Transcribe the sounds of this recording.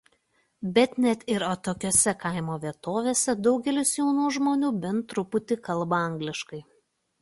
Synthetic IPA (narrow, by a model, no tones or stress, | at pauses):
bʲɛt̪nʲɛt̪ɪɾoːt̪oːkʲoːsʲɛkɐˑɪmoːʋʲiɛt̪oːʋʲeːsʲɛd̪ɒʊɡʲɛlʲʊsjɛʊnuːʒmoːnʲuːbʲɛnt̪ɾʊpʊt̪ʲɪkɐlˠbɐɐŋɡlʲɪʃkɐɪ